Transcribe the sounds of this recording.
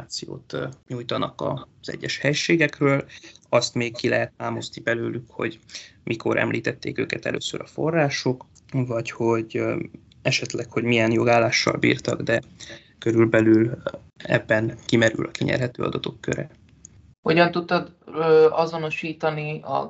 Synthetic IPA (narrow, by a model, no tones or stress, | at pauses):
aːt̪sijo̰ːt̪ɲuːjt̪ɒnɒkɒ̰z̥ɛ̰ɟːɛʃhɛjʃeːɡɛkrøːlɒst̪meːkkilɛɦɛt̪ːaːmoznibɛløːlykho̞̰ɟmʔikʰo̞̰ɾʔɛ̰mlʔiːt̪ɛt̪ːḛːkø̰ːkɛt̪ɛ̰lʔø̰ːsøɾɒfo̞rːaːʃo̞k | vɒcho̞ɟ | ɛʃɛt̪lɛkho̞ɟmijɛnjo̞ɡaːlːaːʃːɒ̰lbḭːrt̪ɒɡd̪ɛ | køɾylbɛlyl | ɛ̰bːɛnkimɛɾy̰lʔɒkiɲɛ̰rɦɛt̪øːɒ̰d̪ɒt̪o̞kːøɾɛ | hoɟɒnt̪ut̪ːɒd̪ | øɒzo̞no̞ʃiːt̪ɒniɒ̰